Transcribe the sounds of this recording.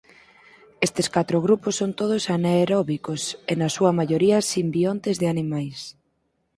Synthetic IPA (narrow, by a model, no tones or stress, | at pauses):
est̪eskat̪ɾʊɣɾuposːont̪oð̞ʊsaneːɾɔβikosenɐsuɐmaʎoɾiɐsimbiont̪ezðɪanimajs